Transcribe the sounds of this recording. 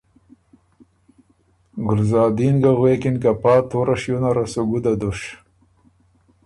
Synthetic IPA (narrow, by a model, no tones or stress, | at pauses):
ɡʊlzɑːd̪inɡaɣwekinkapɑːt̪oɾaʂjunaɾasoɡud̪ad̪uʂ